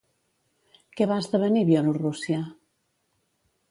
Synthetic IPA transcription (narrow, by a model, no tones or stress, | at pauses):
kɛβaəzðəβəniβjɛlurusja